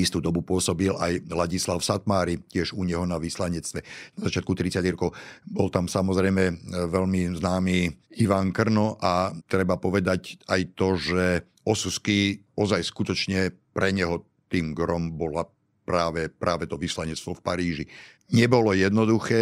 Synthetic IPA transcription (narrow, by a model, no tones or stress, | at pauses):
ist̪uːd̪ɔbupʊɔsɔbilʔajlaɟislaʊsat̪maːɾicɪɛʒuɲɛɦɔnaʋislaɲɛt͡st̪ʋɛnazat͡ʃɪat̪kut̪ɾit͡saɟɾɔkɔʊbɔlt̪amsamɔzɾɛjmɛʋɛʎmiznaːmiːiʋaŋkr̩nɔʔat̪ɾɛbapɔʋɛd̪acajt̪ɔʒɛ | ʔɔsuskiːɔzajskut̪ɔt͡ʃɲɛpɾɛɲɛɦɔ | t̪iːmɡɾɔmbɔla | pɾaːʋɛpɾʔaːʋɛt̪ɔʋislaɲɛt͡st̪ʋɔfpaɾiːʒi | ɲɛbɔlɔjɛd̪nɔd̪uxɛː